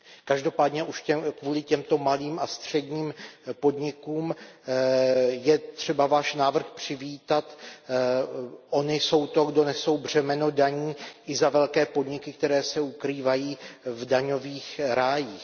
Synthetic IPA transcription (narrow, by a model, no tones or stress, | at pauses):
kaʒdo̞paːdɲɛʔuʃcɛkvuːlɪcɛmt̪o̞maliːmʔast̪r̝̥ɛdɲiːmpo̞dɲɪkuːm | jɛt̪r̝̥ɛbavaːʃnaːvr̩xpr̝̥ɪviːt̪at̪ | ʔo̞nɪso̞wt̪o̞ɡdo̞nɛso̞wbr̝̥ɛmɛno̞daɲiːʔɪzavɛlkɛːpo̞dɲɪkɪk̚t̪ɛɾɛːsɛukɾiːvajiːvdaɲo̞viːxɾaːjiːx